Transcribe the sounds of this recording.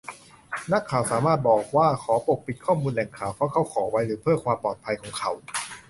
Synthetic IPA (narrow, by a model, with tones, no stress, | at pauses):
na˦˥kʰːaː˨˩wsaː˩˦maː˥˩t̪̚bɔː˨˩k̚waː˥˩kʰɔː˩˦po˨˩k̚pi˨˩t̪̚kʰɔː˥˩muː˧nlɛ˨˩ŋkʰaː˨˩wpʰɾɔ˦˥kʰa˦˥wkʰɔː˩˦˧wa˧jɾɯː˩˦pʰɯ˥˩əkʰwaː˧mpɔː˨˩t̪̚pʰa˧jkʰɔː˩˦ŋkʰa˦˥w